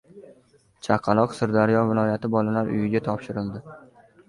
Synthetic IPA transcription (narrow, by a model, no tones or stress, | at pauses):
t͡ʃʰaqʰɑlˠɒqsɪɾd̪aɾjɒvɪlˠɒjat̪ʰɪbɒlalaɾʔʊ̰jɪɡʲat̪ʰɒpʃɪɾɪlˠd̪ɪ